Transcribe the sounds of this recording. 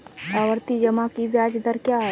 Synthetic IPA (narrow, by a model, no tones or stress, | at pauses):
aʋəɾt̪id͡ʒəmakiʋjaːd͡ʒd̪əɾkjaːɦ